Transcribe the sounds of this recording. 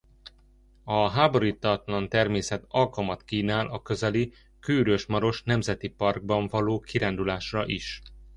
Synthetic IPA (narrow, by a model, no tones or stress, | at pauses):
ɒɦaːbo̞ɾiːt̪ɒt̪lɒnt̪ɛrmeːsɛt̪ɒlkɒmɒt̪kiːnaːlʔɒkø̞zɛli | kyːɾøʃmɒɾo̞ʃnɛmzɛt̪ipɒrɡ̚bɒɱvɒloːkiɾaːnd̪ulaːʃrɒʔiʃ